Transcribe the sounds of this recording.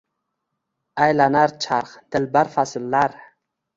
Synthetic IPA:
ajlanaɾt͡ʃʰaɾχd̪̥ɪlbaɾfasɪlːaɾ

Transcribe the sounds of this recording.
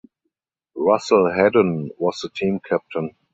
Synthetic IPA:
ɹasl̩ɦɛdə̃nwɔsðətʰĩːmkʰæp̚tʰə̃n

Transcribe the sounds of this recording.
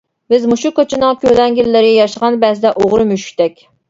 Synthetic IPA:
bɪzmuʃukot͡ʃʰɪnɨŋkʲʰølɛŋɡʲilːɪɾɪjɑʃəʁɑnbɛzɪd̪ɛʔoʁɾɨmyʃy̥kʲt̪ɛkʲ

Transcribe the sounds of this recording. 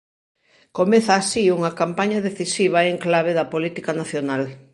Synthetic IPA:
komeθaːsiuŋɐkampaɲɐðeθisiβ̞ɐeŋklaβeðɐpolit̪ikɐnaθjonal

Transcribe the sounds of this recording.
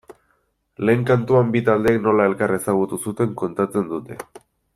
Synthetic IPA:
le̞ːŋkant̪uambit̪ald̪eːkno̞lae̞lkaɾe̞saɣ̞ut̪usut̪e̞ŋko̞nt̪at͡se̞nd̪ut̪e̞

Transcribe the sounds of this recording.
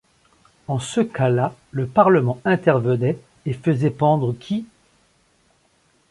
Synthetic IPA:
ɑ̃səkʰalaləpaʁləmɑ̃ɛ̃t̪ɛʁvənɛ | efəzɛpɑ̃d̪ʁəkʲʰi

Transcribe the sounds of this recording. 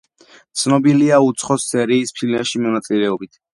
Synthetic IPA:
t̪sʰnɔbiliaut̪sʰχɔsːɛɾiːspʰilmɛʃimɔnat̪sʼilɛɔbit̪ʰ

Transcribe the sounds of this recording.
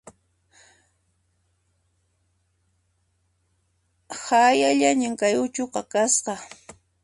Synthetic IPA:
hajaʎaɲɪŋkajʊt͡ʃoqɑkasqɑ

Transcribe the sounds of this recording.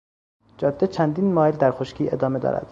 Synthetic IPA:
d͡ʒɒːd̪ːet͡ʃʰænd̪iːnmɒːeld̪æɾxoʃcʰiːe̞d̪ɒːme̞d̪ɒ̰ːɾæ̰d̪̥

